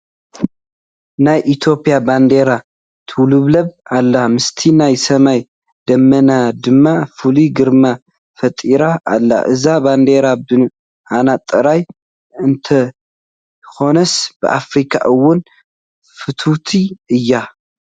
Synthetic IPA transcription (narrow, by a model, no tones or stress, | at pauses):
najʔit̪ʰjo̞pʼijaband̪e̞ɾa | t̪ʰɨwlɨβlɐβalːamɨst̪ʰinajsɐmaj | d̪̥ɐmːɐnad̪ɨmːafɨliɡɨɾma | fɐt̪ʼiɾaʔa̰lːa̰ʔɨzaband̪e̞ɾabɨ | hanat̪ʼːɨɾaj | ɨnt̪ʰɐ | xo̞nɐsb̥ɨ̰ʔa̰fɾikʰa̰ʔɨwːʊn | fɨt̪ʰut̪ʰiɨjːa